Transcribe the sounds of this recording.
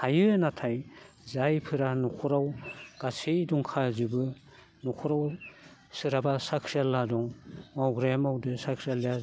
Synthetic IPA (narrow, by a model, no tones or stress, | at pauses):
hajɯnatʰaj | zajpʰɯɾanɔkʰɔɾawɡ̥asijduŋkʰazɯbɯ | nɔkʰɔɾawsɯɾabasakʰɾijalːadɔŋmawɡɾajmawdɯsakʰɾijalija